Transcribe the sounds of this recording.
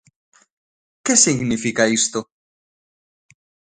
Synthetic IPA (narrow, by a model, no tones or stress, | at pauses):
kesiɣnifikaist̪o